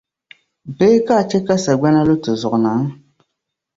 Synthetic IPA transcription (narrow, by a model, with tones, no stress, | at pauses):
beː˦ka˦˨t͡ʃɛ˦ka˦sa˨ɡ͡bɛ˦na˦lo˦tɨ˨zʊ˨ʔnaː˨˦